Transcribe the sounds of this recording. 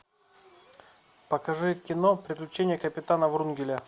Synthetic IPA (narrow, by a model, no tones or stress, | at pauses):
pɐkɐʐɨkʲɪnopɾʲɪklʲɪt͡ɕenʲɪjəkəpʲɪt̪anəvɾunɡʲɪlʲɪ